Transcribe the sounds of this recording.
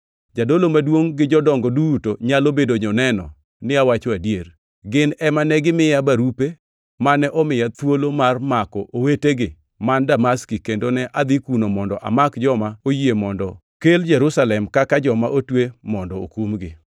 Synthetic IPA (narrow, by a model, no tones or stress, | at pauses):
d͡ʒadolomadwoŋɡɪd͡ʒɔdɔŋɡɔdutoɲalobedoɲɔnɛnɔ̰ | nɪawat͡ʃoadjer | ɡɪnɛmanɛɡɪmɪjabaɾupe | manɛʔɔmɪjat̪wolomarmakɔʔoweteɡɪ | mandamaskikendonɛʔad̪ɪkunomɔndɔʔa̰makd͡ʒɔmaojiemɔndɔ | keld͡ʒɛɾusalɛmkakad͡ʒɔmaʔotwemɔndɔo̰kumɡɪ